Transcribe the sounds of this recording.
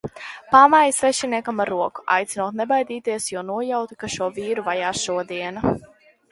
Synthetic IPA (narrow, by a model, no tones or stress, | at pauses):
pamajsvɛʃiniɛkamaɾːuɔku̥a̰jt̪sinuɔːt̪nɛbajd̪iːt̪iɛsjɔɔnuɔjawt̪ikaʃuɔviːɾuvajaːsʃuɔd̪iɛna